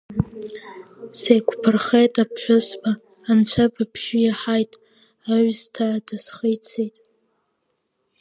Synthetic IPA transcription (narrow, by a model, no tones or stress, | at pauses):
sejkʷʰʼpʰɨrχejtʼapʰħʷᶣʊsbaː | nt͡ʃʷʰabapʰʒɪjaħajtʼ | aɥztʰaʕadasχejt͡sʰejtʼ